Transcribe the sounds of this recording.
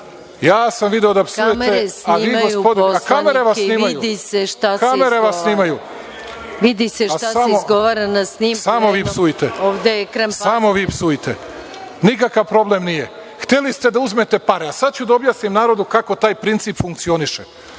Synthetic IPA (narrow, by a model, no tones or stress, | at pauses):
jaːsamʋid̪eod̪apsujeesaʋiːɡoj̪pod̪akameɾeʋasːniːmajud̪iseʃt̪akame̞ɾeʋasniːmaju | ʋid̪iseʃaaamozɡoʋaɾanasnisamoʋiːpsuit̪eoʋd̪ekɾsamo̞ʋiːpsuit̪e̞ | nikakaʋpɾo̞blemnije | xt̪e̞list̪e̞d̪auzme̞t̪e̞paɾeasad̪̚t͡ɕud̪aobjaːsnimnaːɾo̞d̪ukako̞t̪aːjpɾint̪siːpfuŋk̚t̪sio̞niʃe